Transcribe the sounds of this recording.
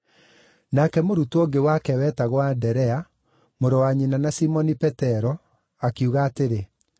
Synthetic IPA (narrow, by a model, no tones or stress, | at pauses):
nakɛmoɾutooɡewakɛwɛtaɣwandɛɾɛa | moɾɔwaɲinanasimɔnipɛtɛɾɔ | akiuɣaːteɾe